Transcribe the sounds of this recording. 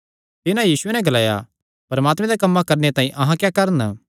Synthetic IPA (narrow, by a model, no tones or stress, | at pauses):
t̪ɪnãjiːsʊenɛ̃ɡɐlaːja̰ | pɐɾɐmaːt̪mɛ̃d̪ɛkɐmːãkɐɾnet̪ãːĩʔɐɦãkjaːkɐɾən